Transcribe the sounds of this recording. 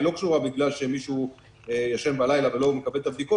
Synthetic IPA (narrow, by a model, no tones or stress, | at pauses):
lo̞kʃuʁabiɡlalʃe̞miʃu | ejaʃe̞mbalajlave̞lo̞mekabe̞lt̪abd̪iko